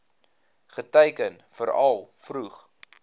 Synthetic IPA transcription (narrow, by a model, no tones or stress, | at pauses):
χətɛjkən | fəɾɐlˠfruχ